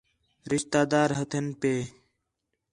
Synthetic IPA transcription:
ɾɪʃt̪aːd̪aːɾɦət̪ʰənpeː

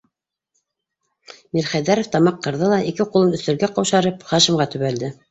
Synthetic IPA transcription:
miɾχæðæɾŏft̪ɑmɑqːɤ̆ɾðɤlˠɑʔikɘqulˠɤnɵ̆θt̪ɘ̆ɾɡæqɑwʃɑɾɤpχɑʃɤ̆mʁɑt̪ɵ̆βæld̪ɘ

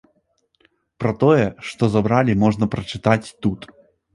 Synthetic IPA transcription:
pɾɐt̪ɔjɛʂt̪ɔzabɾalʲimɔʐnɐpɾɐt͡ʂɨt̪at͡sʲt̪ut̪

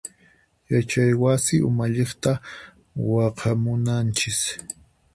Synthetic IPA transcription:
jat͡ʃajwasɪʊ̰maʎeχt̪a | wɑqʰɑmʊnant͡ʃɪs

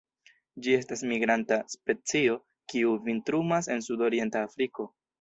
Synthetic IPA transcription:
d͡ʒie̞stasmiɡɾantaspe̞t͡sio̞ | kiuvintɾumase̞nsudo̞ɾie̞ntaːfɾiko̞

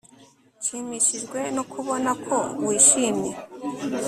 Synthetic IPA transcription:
ʃiːmiʃiʒɡwe̞nokʰuβo̞nakʰo̞wiːʃiːmi

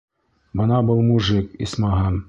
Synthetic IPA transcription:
bɤ̆nɑbɤlˠmuʒɘkḭsmɑɦɤm

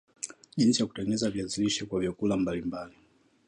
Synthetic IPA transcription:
ʄinsijaku̥tɛŋɡɛnɛzaviaziliʃɛkwavjakulambalimbali

